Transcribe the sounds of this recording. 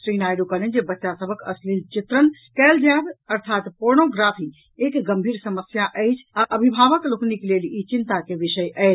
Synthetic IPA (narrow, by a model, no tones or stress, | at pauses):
sɾinajɖukəlend͡ʒebətːʃasəbʱəkə̰slilt͡ʃit̪ɾənkɛld͡ʒabəɾt̪ʰat̪poɾnoɡɾapʰi | ekɡəmbʱiɾsəməsjaʔəjt͡ʃʰaʔəbʱibʱaʋəklokniklelit͡ʃint̪akebisəjəjt͡ʃʰ